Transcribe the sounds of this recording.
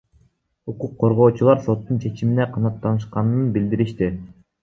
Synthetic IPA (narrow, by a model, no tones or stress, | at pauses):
uquqʰːo̞ɾʁo̞ːt͡ʃulˠɑɾso̞t̪ːunt͡ʃʰe̞t͡ʃimineqʰɑnɑt̪ːɑnɯʃqɑnɯnbild̪iɾiʃt̪i